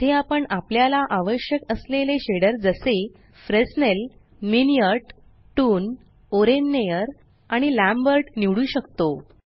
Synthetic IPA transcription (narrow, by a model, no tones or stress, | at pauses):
t̪eapəɳapljalaʔaʋəɕjəkəsleleɕeɽəɾd͡zəse | fɾesnel | minijəɾʈ | ʈuːn | oɾenːejəɾ | aɽ̃ilæ̃mbəɾʈniʋɽuːɕəkt̪o